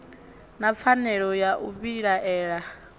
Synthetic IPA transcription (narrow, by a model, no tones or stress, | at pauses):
nap̪fʰanɛɺɔjaʔuβiɺaʔɛːɺa